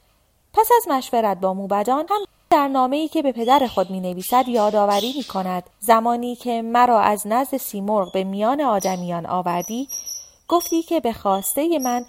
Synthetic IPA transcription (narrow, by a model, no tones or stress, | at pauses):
pʰæsæzmæʃveɾæt̪̚bɒːmuːbæd̪ɒːnhæm | d̪æɾnɒːme̞iːcʰe̞be̞pʰe̞d̪æɾe̞xo̞d̪miːne̞viːsæd̪jɒːd̪ɒːvæɾiːmiːkʰo̞næd̪̥zæmɒːniːcʰe̞mæɾɒːʔæznæzd̪e̞siːmoɾʁbe̞mijɒːne̞ɒːd̪æmijɒːnʔɒ̰ːvæɾd̪iː | ɡ̥o̞ft̪iːcʰe̞be̞xɒːst̪e̞je̞mæn